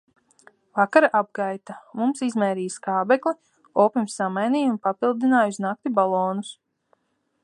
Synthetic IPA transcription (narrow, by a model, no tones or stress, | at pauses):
vakaɾaʔab̚ɡajt̪amumsizmɛːɾiːskaːbɛklˠi | ɔːpimsːamajniːunpapilˠd̪inaːjusnak̚t̪ibalˠɔːnus